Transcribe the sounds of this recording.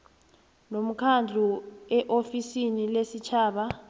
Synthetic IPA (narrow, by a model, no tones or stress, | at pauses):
nom̩kʰand͡ɮʱuɛʔofisinilesit͡ʃʰaːɓa